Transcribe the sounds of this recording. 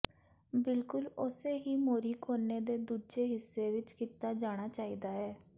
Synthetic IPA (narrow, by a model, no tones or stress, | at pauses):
bɪlkʊlʊseːɦiːmoːɾiːkʰoːnːeːd̪eːd̪uːd͡ʒeːɦɪsːeːʋɪt͡ʃkiːt̪aːd͡ʒaːɽ̃aːt͡ʃaːiːd̪aːɦɛː